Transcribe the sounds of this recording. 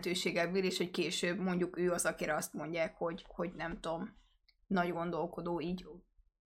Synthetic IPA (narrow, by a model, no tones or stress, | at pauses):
t̪øːʃeːɡɛbːeːleːʃho̞ckeːʃøːbmo̞ɲɟukøːɒzɒkiɾɛɒst̪mo̞ɲɟaːkho̞ɟho̞ɟnɛmt̪o̞m | nɒɟɡo̞nd̪o̞lko̞d̪oːiːɟ